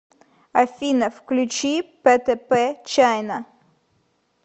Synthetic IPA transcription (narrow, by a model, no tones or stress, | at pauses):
ɐfʲinɐfklʲʉt͡ɕipɛt̪ɛpɛt͡ɕajnɐ